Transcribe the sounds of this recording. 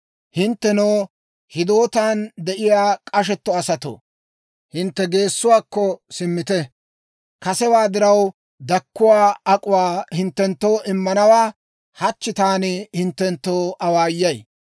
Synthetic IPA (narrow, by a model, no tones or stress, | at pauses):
hɪnt̪ːɛnoː | hɪd̪o̞ːt̪aːnd̪ɛʔɪjaːkʼɐʃ̬ɛt̪ːɔɐsɐt̪o̰ | hɪnt̪ːɛɡe̞ːsːʊwaːkːɔsɪmːɪt̪ɛ | kɐsɛwaːd̪ɪɾɐw | d̪ɐkːʊwaːɐkʼʊwaːhɪnt̪ːɛnt̪ːo̞ːʔɪmːɐnɐwaː | hɐt͡ʃːɪt̪aːnɪhɪnt̪ːɛnt̪ːo̞ːʔɐwaːjːɐj